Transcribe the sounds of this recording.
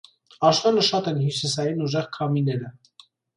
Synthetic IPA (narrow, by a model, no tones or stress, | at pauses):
ɑʃvɑləʃɑt̪ɛnhjusisɑjinuʒɛʁkʰɑminɛɾə